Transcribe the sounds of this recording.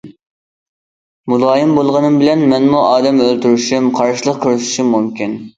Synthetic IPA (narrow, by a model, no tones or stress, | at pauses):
mulˠɑːjimbolˠʁɑnɨmbɪlɛnmɛnmuʔɑːd̪ɛmølt̪yɾyʃymqʰɑɾʃilˠəqqʲʰøɾyʃu̥ʃumumkʲin